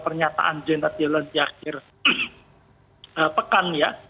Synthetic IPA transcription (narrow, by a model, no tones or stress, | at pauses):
pərɲat̪a̰ʔand͡ʒənat̪̚d͡ʒaland̪iaxɪr | əpəkanja